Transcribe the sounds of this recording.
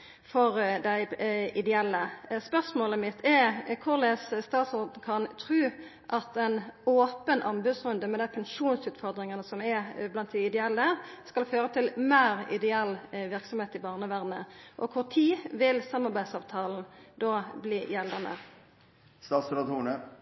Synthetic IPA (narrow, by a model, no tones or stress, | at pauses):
fɔɾd̪æɪʔɪd̪ɛɛlːəspœʁsmoːləmɪt̪ʰːɛkʰʊʁlesst̪ɑːt̪sʊʁd̪n̩kʰɑnt̪ʰʁʉː | ʔɑt̪ɛnoːpənʔɑmbʉsʁʉnd̪əmɛd̪æɪpʰɛnʂuːnsʉːt̪fɔʁd̪ʁɪŋənəsɔmɛblɑnt̪̚d̪ɪɪd̪ɛɛlːəskɑlføːʁət̪ʰɪlmeːɾɪ̰d̪ɛɛlːʋɪʁksɔmheːt̪ɪbɑːʁnəʋæːʁd̪nəʔɔ̰kʰʊʁt̪ʰiːʋɪlsɑmːɑʁbæɪd̪sɑːʋt̪ʰɑːln̩d̪oːbliːjɛld̪ənə̰ | st̪ɑːt̪sʊlɑt̪ʰuːnə